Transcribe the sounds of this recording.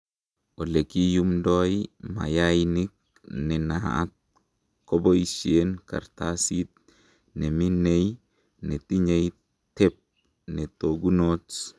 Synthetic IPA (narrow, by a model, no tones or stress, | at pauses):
olekijumdojma̰jajnik̚ | nenaa̰t̪̚ | koboiʃienka̰ɾt̪asit̪̚ | neminej | net̪iɲej | t̪ep̚ | net̪oɡunot͡s